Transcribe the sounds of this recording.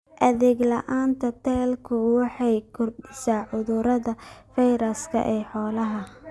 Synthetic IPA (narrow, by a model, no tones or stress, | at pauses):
ʔɐðɛːɡlɐʔaːnt̪ʰɐt̪ʰɛːlkʰʊwɑħɑjkʰʊrdɪsaːʕʊðʊɾɐðɐfɛjɾɐskʰɐ̰ʔɛːħɔːlɐɦɐ